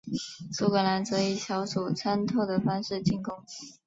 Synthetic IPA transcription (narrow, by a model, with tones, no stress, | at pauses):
su˧˥kə˧˩la˧˥nt͡sɤ˧˥i˨˩ɕjɑ˧˥ʊʂu˨˩t͡sʰa˥nt̪ʰo˥˩ʊd̪ə˩fa˥nʂɻ̩˥˧t͡ɕi˥˩ŋkʊ˥ŋ